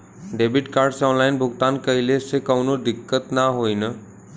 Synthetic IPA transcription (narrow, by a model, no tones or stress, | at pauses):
ɖeːbɪʈkaːɾɖsɔ̃ːnlaːɪnbʱʊɡt̪aːnkɐilesekəʋnod̪ɪkːət̪naɦoːinə